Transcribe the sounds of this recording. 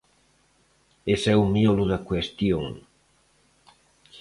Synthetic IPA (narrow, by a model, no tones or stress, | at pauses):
esɛwmjoluðakwest̪joŋ